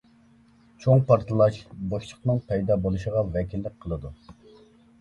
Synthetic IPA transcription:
t͡ʃʰoŋpɑɾt̪ʰɨlˠɑʃboʃt͡ʃʰə̥χnɨŋpʰɛjd̪ɑːbolˠuʃəʁɑvɛkʲʰilːɪk̚ʲqʰəlˠɨd̪u

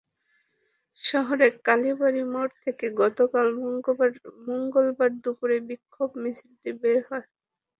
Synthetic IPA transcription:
ʃɔɦoɾekaliboɾimoʈt̪ʰekeɡɔt̪okal | moŋɡolbaɾd̪upuɾebikʰːobmisɾit̪ibeɾɦɔe

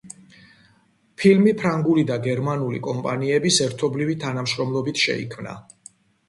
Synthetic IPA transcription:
pʰilmipʰɾaŋɡulid̪aɡɛɾmanulḭkʼɔmpʼaniɛbisɛɾt̪ʰɔblivit̪ʰanamʃɾɔmlˠɔbit̪ʰʃɛ̰ḭkʰmna̰

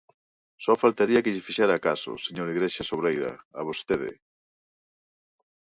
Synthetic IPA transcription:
sɔfalt̪aɾiɐkɪʎɪfiʃaɾaːkasʊ̰seɲoɾiɣɾeʃasoβɾejɾɐ̰aβ̞ost̪eðɪ̰

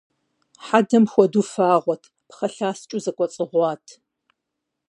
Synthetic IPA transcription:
ħadɐmxʷɔdufaːʁʷɔtʰ | pχɐɬaːst͡ʃʼʊzɐkʷʼɔt͡sʼɨʁʷɑːtʰ

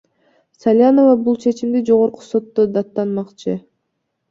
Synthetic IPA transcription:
salʲjano̞vɑbulˠt͡ʃʰe̞t͡ʃimd̪id͡ʒo̞ʁo̞ɾqu̥so̞t̪ːod̪ɑt̪ːɑnmɑqt͡ʃʰɯ

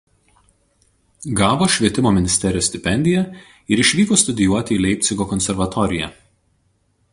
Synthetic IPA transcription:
ɡɑːʋoːʃʲʋʲiɛt̪ʲɪmoːmʲɪnʲɪsʲt̪ʲɛɾʲɪjoːsʲt̪ʲɪpʲɛnʲd̪ʲɪjɛ | ɪɾɪʃʲʋʲiːkoːst̪ʊd̪ʲɪjuɔt̪ʲɪiːlʲɛɪp̚ʲt̪sʲɪɡoːkɔnʲsʲɛɾʋɐt̪ɔɾʲɪjɛ̰

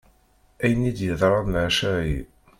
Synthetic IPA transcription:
æjənid̪jəðˤɾˤɑðnʕʃæɾi

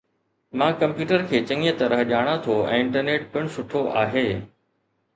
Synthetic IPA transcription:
mãːkɐ̃mpjuːʈəɾkʰeːt͡ɕɐ̃ŋət̪ɐɾəɦʄaːɽ̃at̪ʰoɛ̰̃ːɪ̃ɳʈəɾneːʈ̚pɪɽ̃ʊsʊʈʰoʔaːɦeː

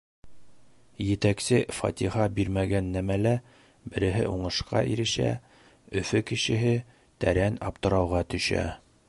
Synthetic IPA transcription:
jɘ̆t̪æksɘfɑ̰t̪ʲihɑbiɾmæɡænːæmælæ | bɘ̆ɾɘ̆ɦɘ̰ʔuɴɤ̆ʃqɑ̰ʔiɾɘ̆ʃæ̰ | ɵ̆fɵkɘ̆ɕɘ̆ɦɘ | t̪æɾænɑp̚t̪ɤ̆ɾɑwʁɑt̪ɵ̆ʃæ̰

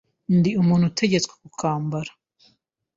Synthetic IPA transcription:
ndiumuːnhutʰe̞ɟe̞t͡skwe̥kukʰaːmbaɾḁ

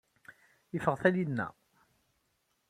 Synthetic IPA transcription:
əfəʁθælinːæ̰

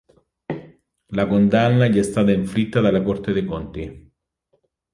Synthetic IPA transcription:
lakond̪anːaʎːɛst̪aːt̪aiɱfɾit̪ːad̪alːakɔrt̪ed̪ejpont̪i

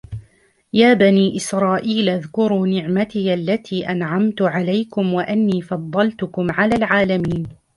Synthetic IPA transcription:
jaːbaniːʔɪsɾˤɑːʔiːlʔaðkʊɾuːnɪʕmat̪ɪjʔalːat̪ʰiːʔanʕamt̪ʊʕalajkʊmwaʔanːiːfɑd̪ˤːɑlt̪ʊkʊmʕalaːlʕaːlamiːn

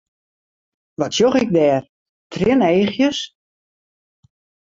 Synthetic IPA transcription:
ʋɔtsjoxɪk̚dɛːr | tʰrɪneːxjəs

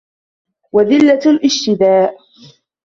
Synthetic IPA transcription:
waðɪlːalʔɪʃt̪ɪd̪aːʔ

